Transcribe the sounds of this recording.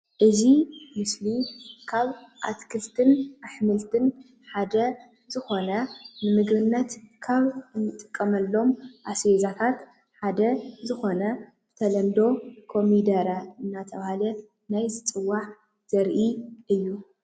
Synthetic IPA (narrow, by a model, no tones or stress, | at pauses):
ʔɨzimɨslikʰaβʔa̰t̪kʰɨlt̪ʰɨnʔaħmɨlt̪ʰɨn | ħad̪ɐ | z̥ɨxo̞nɐnɨmɨɡβɨnːɐt̪kʰaβɨnːɨt̪ʼɨkʼːɐmɐlːo̞mʔasezat̪ʰat̪ | ħad̪ɐzɨxo̞nɐ | b̥ɨt̪ʰɐlɐnd̪o̞kʰo̞mid̪ɐɾaɨnːat̪ʰɐβahalɐ | najzɨt͡sʼɨwːaħ | z̥ɐɾʔiʔɨjːu